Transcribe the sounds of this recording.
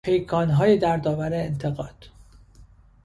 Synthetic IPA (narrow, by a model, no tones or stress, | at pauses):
ejkʰɒːnɦɒːjed̪æɾd̪ɒːvæɾeːnt̪ʰeɣɒːd̪̥